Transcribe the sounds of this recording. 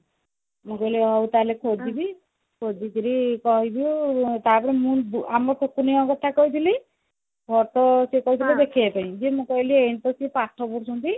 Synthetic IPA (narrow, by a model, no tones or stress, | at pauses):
mũkɔiliɔwt̪alekʰod͡ʒibi | kʰod̪ikiɾikɔɦibiut̪apɔɾimũbamɾɔʈʰukuniɔ̃kɔt̪ʰakɔit̪ʰili | bʱɔɾt̪ɔsekɔɦit̪ʰilɔd̪ekʰiapaĩd͡ʒemũkɔjlieñt̪ɔsipaʈʰːɔbuɽsunt̪i